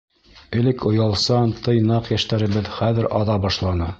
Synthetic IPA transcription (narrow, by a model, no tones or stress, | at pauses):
ɘ̆lɘkʰŏjɑlˠsɑnt̪ʰɤjnɑqjæʃt̪æɾɘ̆βɘðχæðɘɾɑðɑbɑʃlˠɑnɤ